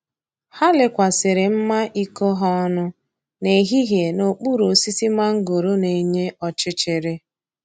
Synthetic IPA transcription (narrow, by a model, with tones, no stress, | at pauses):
ha˦lɪ˨kʷa˨sɪ˨ɾɪ˨m̩˦ma˦ʔi˦ko˦ɦɔ˦nʊ˦ | ne˨ɦi˦ɦje˨no˨k͡pu˦ɾo˨si˦si˦ma˦ŋ̩˦ɡo˨ɾo˦ne˨ɲe˦ɔ˨t͡ʃɪ˦t͡ʃɪ˨ɾɪ˦